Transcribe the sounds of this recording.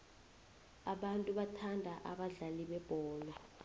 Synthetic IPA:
aɓantʼuɓatʰandʱaʔaɓaɮaliɓɛb̥ʱɔːla

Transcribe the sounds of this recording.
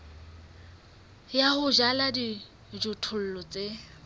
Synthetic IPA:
jahʊʒaladi | d͡ʒʊtʰʊl̩lɔt͡sʼe

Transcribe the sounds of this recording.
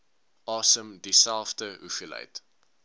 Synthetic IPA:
ɑːsəmdisælˠfdəɦufilə̰jt

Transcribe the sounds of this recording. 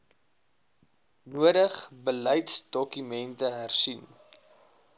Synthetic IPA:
nuədəχbələjtsdɔkymɛntəɦærsin

